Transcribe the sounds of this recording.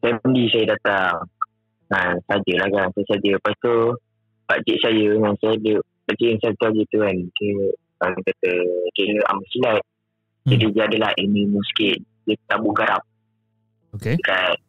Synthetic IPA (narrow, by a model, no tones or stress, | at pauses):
sajəpəndisajədat̪aŋ | ŋasad͡ʒəlahkansajəsad͡ʒəpast̪o | paʔt͡ʃiʔsajəŋansajdə | paʔt͡ʃiʔnsajət̪uad͡ʒət̪uankə | akat̪əkiɾəa̰masilat̪̚ | ədid͡ʒadəlaʔilmimusə̥kiʔ̚ | jət̪abuɡaɾap̚ | okeəkat̪̚